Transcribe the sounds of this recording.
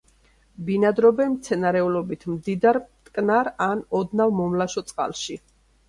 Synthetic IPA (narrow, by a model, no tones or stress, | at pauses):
binad̪ɾɔbɛmt̪sʰɛnaɾɛulɔbit̪ʰmd̪id̪aɾt̪ʼkʼnaɾanɔd̪navmɔmlaʃɔt̪sʼqʼa̰lˠʃi